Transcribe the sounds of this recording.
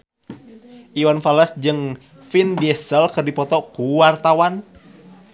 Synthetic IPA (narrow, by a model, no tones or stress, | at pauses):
ʔiwanfalasd͡ʒɨŋ | findiɛsəlkərdipɔt̪ɔkuwart̪awan